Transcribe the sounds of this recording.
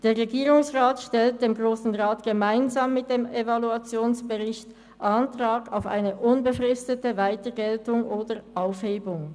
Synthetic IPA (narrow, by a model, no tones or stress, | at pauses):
d̥eːɐʁeɡiːʁʊŋsʁaːtʃtɛlt̚d̥eːmɡʁoːsn̩ʁaːtɡ̥əmaɪnzaːmːɪt̚d̥eːmevaluat͡sjoːnsb̥əʁɪçt | ʔantʁ̥aːɡaʊfa̰ɪnəʔʊnbəfʁɪstətəvaɪtəɡɛltʊŋʔoːdəʔaʊfheːbʊŋ